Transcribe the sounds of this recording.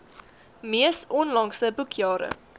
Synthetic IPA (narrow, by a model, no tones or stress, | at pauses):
miəsɔnlɐŋsəbukʰjɑːɾə̰